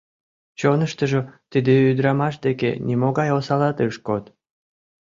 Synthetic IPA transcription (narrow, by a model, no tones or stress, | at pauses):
t͡ɕonəʃt̪əʒot̪ɨd̪eyd̪ɾɑmɑʃd̪ekḛnʲimoɣɑjosɑlɑt̪əʃkot̪